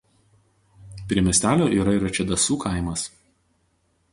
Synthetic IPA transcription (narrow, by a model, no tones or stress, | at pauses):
pʲɾʲiɛmʲɛsʲt̪ʲæːlʲoːʔiːɾɐiːˑɾɐt͡ʃʲɛd̪ɐsuːkʰɑˑɪmɐs